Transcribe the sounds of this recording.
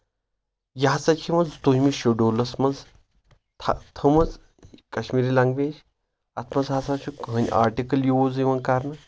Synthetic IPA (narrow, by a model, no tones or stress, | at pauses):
jaɦt͡sɐt͡ʃʰimɐnzt̪unʲmiʃoɖoːlɐsmɐnz | t̪ʰt̪ʰɐmɐz | kɐʃmiːɾilɐŋɡʋeːʃ | ɐt̪ʰmɐnzɦaːsaːt͡ʃʰukɦənʲa̰ːɾʈikəljuoziʋɐnkaɾnɨ